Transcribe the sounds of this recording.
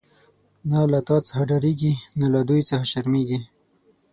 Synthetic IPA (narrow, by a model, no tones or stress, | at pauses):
nalat̪ɑt͡sə̥haɖaɾiɡinalad̪ujt͡səhaʃaɾmeɡi